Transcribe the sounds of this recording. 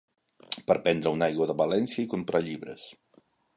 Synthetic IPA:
pəɾpɛnd̪ɾəunajɣwuəðəβəlɛnsjəikumpɾʔaʎiβɾə̰s

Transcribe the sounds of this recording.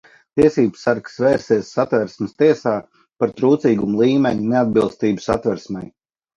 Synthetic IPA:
t̪iɛsiːbsːaɾksveːɾsiɛsːat̪vɛɾsməst̪iɛsaː | paɾt̪ɾuːt̪siːɡumulˠiːmʲeɲunead̪̚bilˠst̪iːbusa̰t̪vɛɾsmʲɛ̰j

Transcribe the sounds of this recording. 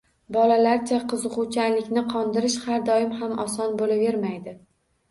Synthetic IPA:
bɒlalaɾt͡ʃʰaqʰɨzɨqʊt͡ʃʰalɪkʲnɪqʰɒnd̪ɪɾɪʃhaɾd̪ɒjɪmhamɒsɒnbolave̞ɾmajd̪ɪ

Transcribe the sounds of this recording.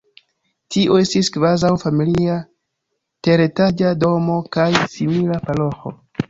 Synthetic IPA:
tiʔo̞e̞stiskvazawfamilia | te̞ɾetad͡ʒado̞mo̞kajsimilapalo̞xo̞̰

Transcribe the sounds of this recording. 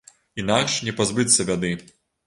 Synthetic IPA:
inakʂnʲɛpazbɨt̪ʲsʲɐbʲad̪ɨ

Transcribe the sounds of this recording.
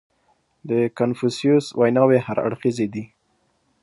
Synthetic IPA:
d̪əkanfusijuswajnɑwehaɾa̰ɽxized̪i

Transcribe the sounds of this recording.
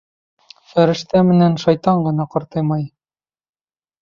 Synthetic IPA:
fæɾɘ̆ʃt̪æmɘ̆nænʃɑjt̪ɑɴɢɤ̆nɑqɤ̆ɾt̪ɤjmɑj

